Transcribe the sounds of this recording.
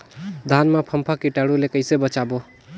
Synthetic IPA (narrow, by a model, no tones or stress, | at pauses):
d̪ʱanmepʰəmpʰakiʈaɽulekəɪsebət͡ʃabo